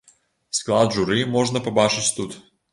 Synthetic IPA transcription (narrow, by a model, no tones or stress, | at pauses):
sklˠad̪ʒʊɾimɔʒnəpɐbaʃɪtʲt̪ut̪